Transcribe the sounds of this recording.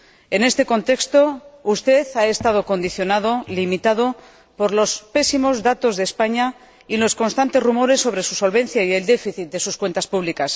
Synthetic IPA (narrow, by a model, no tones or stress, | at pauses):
e̞ne̞st̪e̞ko̞nt̪e̞kst̪o̞ust̪e̞θae̞st̪að̞o̞ko̞nd̪iθjo̞nað̞o̞limit̪að̞o̞ | po̞ɾlo̞spe̞simo̞zðat̪o̞zðespaɲa | ilo̞sko̞nst̪ant̪e̞zrumo̞ɾe̞sːo̞βɾe̞suso̞lβẽ̞n̟θjaie̞ld̪e̞fiθit̪̚d̪e̞suskwe̞nt̪aspuβlikas